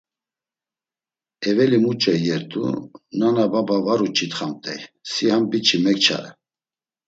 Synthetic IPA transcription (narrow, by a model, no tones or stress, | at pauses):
ɛvɛlimut͡ʃʼɛjɛɾt̪ʼṵnanababavaɾut͡ʃʰʼit̪χamt̪ʼɛjsiambit͡ʃʰimɛk̚t͡ʃʰa̰ɾɛ̰